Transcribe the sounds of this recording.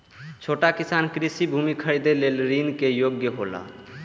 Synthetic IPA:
t͡ʃʰoːʈakɪsaːnkɾɪsibʱuːmikʰəɾid̪eleːlɾiːnkejoːɡjəɦo̰ːla̰ː

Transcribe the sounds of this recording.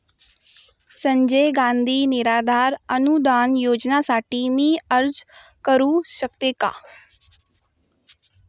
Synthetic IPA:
sə̃ɲd͡ʒeːɡãːnd̪ʱiːnɪɾaːd̪aːɾənud̪aːnjoːd͡ʒnaːsaːʈiːmiːəɾd͡ʒ | kəɾuːsəkt̪eːka̰ː

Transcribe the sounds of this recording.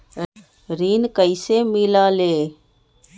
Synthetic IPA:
ɾiːnkəɪsemɪlaleː

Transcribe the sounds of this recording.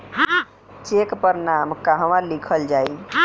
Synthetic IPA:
t͡ʃekpəɾnamkaɦəməɾlikʰəld͡ʒaj

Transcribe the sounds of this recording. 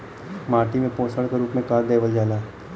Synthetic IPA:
maːʈimẽpoːsəɽkeɾuːpmẽkaːɾd̪eːʋəld͡ʒaːlaː

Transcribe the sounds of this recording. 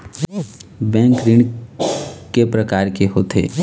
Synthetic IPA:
bɛ̃ːŋkɾɪɳ | kepɾəkaːɾkeɦoːt̪ʰḛː

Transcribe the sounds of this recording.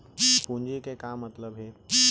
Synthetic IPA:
pũɲd͡ʒikekamːət̪ləbɦe

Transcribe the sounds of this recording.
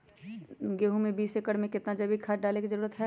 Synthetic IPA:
ɡeːɦũmẽbiːsekəɽmẽkɪt̪nad͡ʒɐbʱikʰaːʈɖaːlekizɐɾuːɾət̪ɦɛ

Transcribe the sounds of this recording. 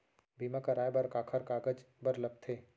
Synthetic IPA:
bʱiːmakɐɾaːebɐɾkaːkʰəɾkaːɡəd͡ʒ | bɐɾlɐɡ̚t̪ʰeː

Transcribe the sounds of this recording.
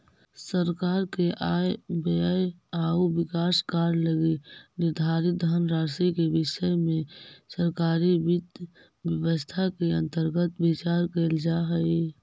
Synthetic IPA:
səɾkaːɾkeʔaːjbəjaːubɪkaːskaːɾləɡenɪɾd̪ʱaːɾɪt̪̚d̪ʱənɾaːsikebɪʃəmẽsəɾkaːɾiʋɪd̪ | ʋjəwəst̪ʰakeə̰̃nt̪əɾɡət̪bɪt͡ʃaːɾkeld͡ʒaɦəi

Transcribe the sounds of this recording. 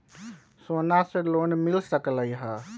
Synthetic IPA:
sonasẽlonmilsəkləjɦə

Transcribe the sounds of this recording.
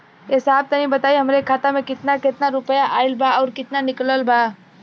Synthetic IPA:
esaːb̚t̪ɐɦĩbət̪aːiɦəmɾekʰːaːt̪amẽkɪt̪nakɪt̪naɾʊpəjaʔaːɪlbʱaɔːɾkɪt̪nanɪkləlbʱa

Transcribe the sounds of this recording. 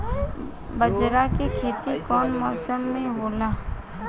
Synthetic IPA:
bəd͡ʒɾakekʰeːt̪ikɔːnmɔːsəmːẽɦoːlaː

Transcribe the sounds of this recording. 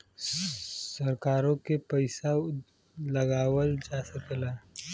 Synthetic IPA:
sɐɾkaːɾõkepəɪsa | lɐɡaːwəld͡ʒaːsəklaː

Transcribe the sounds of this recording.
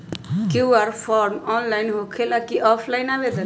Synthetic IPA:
kiuaɾpʰɔɾmɔnlajnɦokʰelakiʔɔpʰlajnabet̪ə

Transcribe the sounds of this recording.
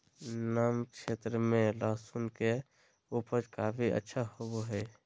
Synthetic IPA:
naːmkʃeːt̪ɾəmẽlasunke | upəd͡ʒkaːpʰiʔə̰tːʃʰahoboɦɛ

